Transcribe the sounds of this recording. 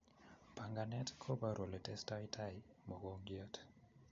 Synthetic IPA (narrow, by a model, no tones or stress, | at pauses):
paŋɡanɛtkʰɔbaɾɔlɛtɛstaitʰaimɔɡɔŋɡiatʰ